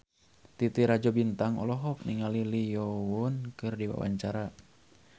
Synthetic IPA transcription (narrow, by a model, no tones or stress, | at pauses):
t̪it̪iɾad͡ʒɔbint̪aŋɔ̰lɔɦɔp̚niŋalilijɔwɔnkɨrdiwa̰wa̰ɲt͡ʃaɾa